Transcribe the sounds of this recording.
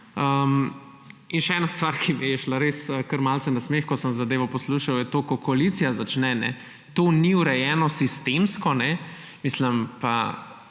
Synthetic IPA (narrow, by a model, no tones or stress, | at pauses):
əm | inʃɛɛːnast̪ʋaːɾkʰiʋeʃlaɾesəkəɾmalt̪sɛnasmeːxkɔsəmzad̪eːʋɔpɔsluʃawjɛt̪oːkɔkoalit̪sijazat͡ʃnɛnɛ̰ | t̪oːniuɾɛjɛːnɔsist̪emskɔnɛ | misləmpa̰